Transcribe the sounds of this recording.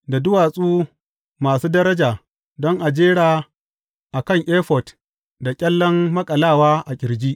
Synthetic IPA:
da˨dʊ˦waː˨sʼuː˦ | maː˨suː˦dɐ˦ɾɐ˦d͡ʒaː˨ | dɔ˦ŋʔa˨d͡ʒeː˦ɽaː˨ | ʔa˨kɐ˦˨ŋʔeː˦ɸɔ˨t | da˨kʲʼɛ˦lːɔ˦mːɐ˦kʼɐ˨laː˦˨waː˦ʔa˨kʲʼɪ˨ɾd͡ʒiː˦ʔ

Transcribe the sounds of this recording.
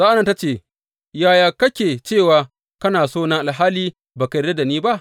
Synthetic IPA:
zaː˦ʔa˦nɐ˨ta˦t͡ʃeː˦˨ | jaː˦˨jaː˨kɐ˦kʲeː˨t͡ʃeː˦˨waː˨ | kɐ˦naː˨soː˦˨nɐ˦ʔa˨lɦaː˦liː˦ | baː˨ka˨de˦da˨niː˦ba˦ʔ

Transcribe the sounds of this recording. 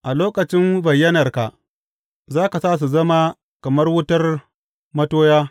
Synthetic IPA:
ʔa˨loː˦kɐ˨t͡ʃɪ˦mbɐ˨jːɐ˦nɐ˨rka̰˨ʔ | zaː˦ka˨saː˦˨s̬u˨zɐ˦ma˦ | kɐ˨mɐ˦rwʊ˦tɐ˦r | mɐ˦toː˦jaː˦

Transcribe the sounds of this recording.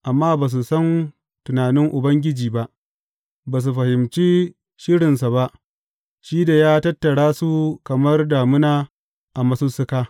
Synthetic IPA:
ʔa˨mːaː˦baː˨s̬u˨sɐ˦n | tʊ˨naː˨nɪ˦ŋʔʊ˨bɐ˦ŋɡʲɪ˦d͡ʒiː˨ba˦ʔ | baː˨s̬u˨ɸɐ˨hɪ˨mt͡ʃiː˦ | ʃɪ˦ɽɪ˨nsa˨ba˦ʔ | ʃiː˦da˨jaː˦tɐ˦tːɐ˨ɽaː˦su˦kɐ˨mɐ˦rdaː˨mʊ˦naː˦ | ʔa˨mɐ˨su˦sʊ˦kaː˦

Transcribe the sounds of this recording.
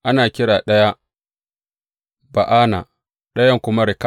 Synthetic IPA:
ʔa˦naː˨kʲɪ˦ɽaː˨ɗɐ˦ja˦ | ba˨ʔaː˦na̰˨ | ɗɐ˦jɐ˦ŋkʷʊ˦ma˦ɾɪ˨ka˦

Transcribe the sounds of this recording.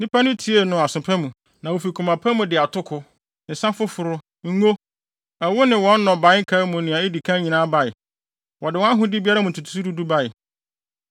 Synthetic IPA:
nĩ˦pʰa˦nʊ̃˦tʰi˨˦e˦nʊ̃˨a˨sʊ̃˨pʰã˦mũ˨ | nã˨wo˨fi˨kʰu˨mã˨pʰã˦mũ˨dɪ˨a˨tʰʊ˦kʰʊ˦˨ | n̩˨sã˦fʊ˦fʊ˨ɾʊ˦ | ŋ̩˦ŋo˦ | ɛ˨wʊ˦nɪ̃˨wɔ̃˨˦n̩˦nɔ̃˨bã˨˦ɪ˦ŋ̩˦kʰa˦mʊ̃˨nɪ̃˨a˨˦ɪ˦di˨kʰã˦ɲĩ˨nãː˦ba˨ɪ˨ | wɔ˨dɪ˨wɔ˦a˦ɦʊ̃˦dɪ˦bi˦a˦ɾa˦mũ˨tʰu˨tʰu̥˨˦su˦du˦du˦ba˦ɪ˨

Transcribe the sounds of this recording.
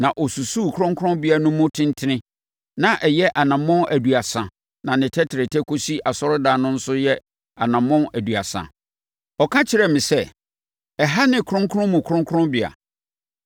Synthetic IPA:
nã˨ʔɔ˨su˨su˦˨kʰʊ˦ɾʊ̃˦ŋkʰʊ̃˦bɪ˨a˨nʊ̃˦mʊ̃˦tʰɪ̃˦n˦tʰɪ˦nɪ̃˦ | nã˨ʔɛ˨jɛ˦ʔa˨nã˨mɔ̃˦nʔæ˨du˨a˨sã˨ | nã˨nɪ̃˨tʰɛ˦tʰɪ˨ɾɪ˨tʰɛ˦kʰo˦si˦ʔa˨sɔ˦ɾʊ˦daː˨˦nʊ̃˦n̩˦sʊ˦jɛ˦ | a˨nã˨mɔ̃˦næ˨du˨a˨sã̰˨ | ɔ˨kʰã˦t͡ɕʰɪ˨ɾɛ˨mɪ̃˨sɛ˦ | ɛ˨ɦa˦nɪ̃˨kʰɾʊ̃˦ŋ˦kʰʊ˦ɾʊ̃˦mũ˨kʰɾʊ̃˦ŋ˦kʰʊ̃˦bɪ˨a̰˨

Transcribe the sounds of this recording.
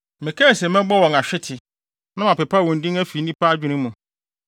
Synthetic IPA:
mɪ̃˨kʰɛ˦˨sɛ˨mɛ̃˦bɔ˦wɔ̃˨ŋa˨ɕᶣɪ˦tʰɪ˨ | nã˦mã˨pɛ˨pʰa˦wɔ̃˨n̩˨dĩ˦ŋæ˦fi˨˦nĩ˦pʰa˦d͡ʑᶣu˨nĩ˦mːũ˨

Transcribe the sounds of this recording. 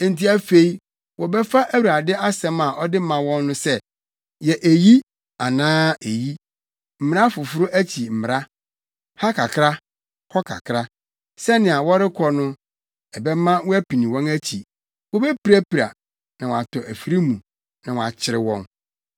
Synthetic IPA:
ẽ˨n̩˨ti˦æ˦fe˦i˦ | wʔɔ˨bɛ˦fa˦ʔæ˦wu˨ɾa˨dɪ˦a˦sɛ̃˦ma˨ʔɔ˦dɪ˦mã˨wɔ̃˦nːʊ̃˦sɛ˦ | jɛ˨ʔæ˨ji˦ | a˨nãː˦e˨ji˦ | m̩˨m˨ɾa˦fʊ˨fʊ˦ɾʊ˦ʔæ˦t͡ɕʰi˨m̩˨m˨ɾa˦ | ha˦kʰa˨kʰɾa˦ | hɔ˦kʰa̰˨kʰɾa˦ | sɛ˦nɪ̃˨a˨wɔ˦ɾɪ˦kʰɔ˨nʊ̃˦ | ɛ˨bɛ˦mã˦wɔ˦æ˦pi˨nĩ˨wɔ̃˦næ˦t͡ɕʰi˨ | wɔ˦bɛ˦pi˨ɾa˦pi˨ɾa̰˨ | nã˨wa˨tʰɔ˨ʔæ˨fi˦ɾi˦mũ˨ | nã˨wɔ̃˨a̰˨t͡ɕʰɪ˨ɾɪ˨wɔ̰̃˦n

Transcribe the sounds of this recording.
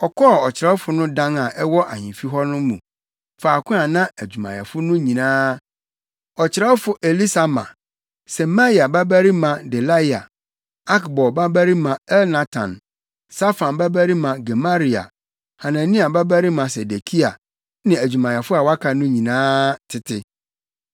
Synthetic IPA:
ɔ˨kʰɔ˦˨ɔ˨t͡ɕʰɪ˨ɾɛ˦fʊ˨nʊ̃˦dã˦ŋa˨ʔɛ˦wɔ˦ʔa̰˨ɲĩ˨fi˦ɦɔ˦nʊ̃˦mũ˨ | faː˨kʰʊ̃˦a˨nã˦æ˨d͡ʑᶣu˨mã̰˨jɛ̰˨fʊ˦nʊ̃˦ɲĩ˨nãː˦ | ɔ˨t͡ɕʰɪ˨ɾɛ˦fʊ˦ʔe˨li˦sa˨mã̰˨ | sɛ˨ma˦i˨a˨ba˦bæ˦ɾi˦mã˨dɛ˨la˦i˨a˨ | a˦kbɔ˨ba˦bæ˦ɾi˦mã˨ɛ˦lna˨tʰã̰˨n | sa˦fã˨nba˦bæ˦ɾi˦mã˨ɡɛ˨ma˦ɾi˨a̰˨ | ha˨nã˨nĩ˦a˨ba˦bæ˦ɾi˦mã˨sɛ˨de˨kʰi˦a˨ | nɪ̃˨æ˨d͡ʑᶣu˨mã˨jɛ˨fʊ˦a˨wa˦kʰa˨nʊ̃˦ɲĩ˨nãː˦tʰɪ˦tʰɪ˦

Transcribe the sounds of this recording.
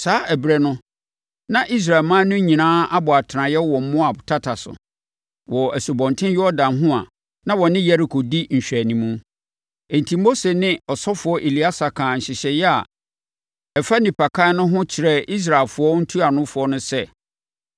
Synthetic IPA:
saː˨˦ʔæ˨bɾɛ˨nʊ̃˦ | nã˦ʔi˦s̬ɾa˨lmã˦nʊ̃˦ɲĩ˨nãː˦a˦bʊ˨a˨tʰnã˨jɛ˦wɔ˨m̩˦mʊ̃˦a˨tʰa˦tʰa˨sʊ̰˨ | wɔ˨æ˨su˨bɔ̃˨ntʰɪ̃˦jɔ˦ɔ˦dã˨mɦʊ̃˦a˨ | nã˦wɔ˨nɪ̃˦jɛ˦ɾi˨kʰo˨di˦ɲ̩˨ɕᶣæ˨nĩ˨mũ˦ | e˨n˨tʰi˨mo˦se˨nɪ̃˦ɔ˨sɔ˦fʊ˨˦ɔ˦ʔe˨li˨a˦sa˨kʰãː˨ɲ̩˨ɕɪ˨ɕɛ˨jɛ˦a̰˨ | ɛ˨fa˦nĩ˨pʰa˨kʰa˦nʊ̃˦ɦʊ̃˦t͡ɕʰɪ˨ɾɛ˦i˦s̬ɾa˨ɪ˨fʊ˨ɔ˦n̩˦tʰu˦a˨nʊ̃˦fʊ˨˦ɔ˦nʊ̃˦sɛ˦˨

